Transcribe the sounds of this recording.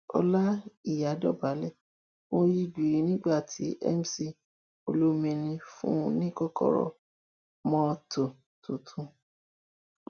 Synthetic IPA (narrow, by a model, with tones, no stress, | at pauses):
ɔ̰˧la˦i˦˨ja˨˦dɔ˦˨ba˨˦lɛ˦˨ | wõ˧ji˦ɡi˨i˦nĩ˦ɡ͡ba˦˨tʰi˨˦ʔɛ̰˦m˨si˦ | o˧lu˦mĩ˧nĩ˧fṵ̃˦˧nĩ˦kɔ˦kɔ̰˦˨ɾɔ̰˧ | mɔ̃˦to˨ | tũ˨tʰũ˧˦